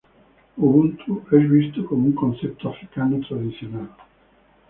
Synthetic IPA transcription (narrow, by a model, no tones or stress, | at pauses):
oũnt̪ʰuɛʒwist̪əkɔmỹŋkɔ̃sɛp̚t̪afɾikanot̪ʁad̪isjɔnɛl